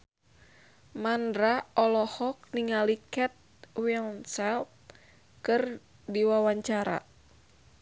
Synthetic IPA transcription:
mandɾaɔlɔhɔk̚niŋalikɛt̪̚wilnsɛlp̚ | kɨr | diwawaɲt͡ʃaɾa̰

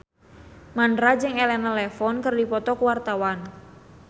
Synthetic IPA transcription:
mandɾad͡ʒɨŋɛlɛnalɛfɔnkərdipɔt̪ɔkwart̪awan

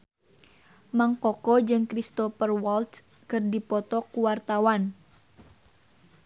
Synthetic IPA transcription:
maŋkɔkɔd͡ʒɨŋkɾist̪ɔfərwɔlt̪ | kɨrdipɔt̪ɔkuwart̪awan

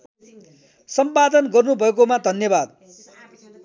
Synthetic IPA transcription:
sʌmpad̪ʌnɡʌrnubʱʌek̬omad̪ʱʌnjʌbad̪̚

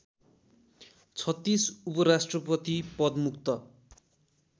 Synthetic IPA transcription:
t͡sʰʌt̪ːisupʌɾasʈrʌpʌt̪ipʌd̪mukt̪ʌ

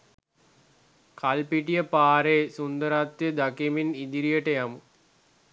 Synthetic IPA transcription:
kʰalpiʈijəpaːɾeːsund̪əɾat̪ːjəd̪akiminid̪iɾijəʈəjamu

